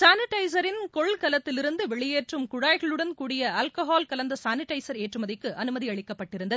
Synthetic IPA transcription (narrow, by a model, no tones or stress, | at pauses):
saːnɪʈːɐɪs̬ɐɾɪnkɔɭkɐlɐt̪ːɪlɪɾɯnd̪ɯʋɛɭɪjeːʈrɯmkʊɽaːjɣɐɭɯɽɐnkuːɽɪjɐɐːlkɐɦaːlkɐlɐnd̪ɐsaːnɪʈɐɪsɐɾeːʈrɯmɐðɪkːɯʔɐnɯmɐðiɐɭɪkːɐpːɐʈːɪɾɯnd̪ɐðɯ